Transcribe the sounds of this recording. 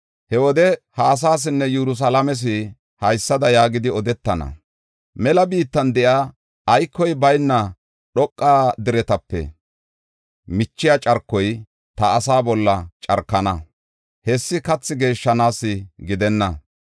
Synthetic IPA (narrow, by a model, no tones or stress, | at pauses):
hɛwɔd̪ɛhɐːs̬aːs̬ɪnːɛjɛɾʊs̬ɐlɐmɛs̬ɪ | hɐjsːɐd̪ɐjaːɡɪd̪ɪɔd̪ɛt̪ːɐnɐ̰ | mɛlɐbiːt̪ːɐnd̪ɛʔaː | jkːɔjbɐjnːɐ | ɗɔkʼːaːd̪ɪɾɛt̪ɐpːɛ̰ | mɪt͡ʃːɪjat͡ʃʼɐɾkːɔj | t̪ɐːsaːbɔlːɐt͡ʃʼɐɾkːɐnɐ | hɛsːɪkɐt͡sːɪɡe̞ːʃːɐnaːsːɪɡɪd̪ɛnːɐ